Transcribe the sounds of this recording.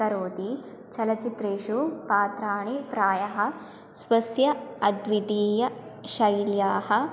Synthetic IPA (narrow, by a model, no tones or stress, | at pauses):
kɐɾoːd̪i | t͡ʃɐlɐt͡ʃit̪ɾeːʃupaːt̪ɾaːɳipɾaːjɐɦɐ̆ | sʋɐsjɐɐd̪ʋid̪iːjɐʃɐjljaːɦɐ̆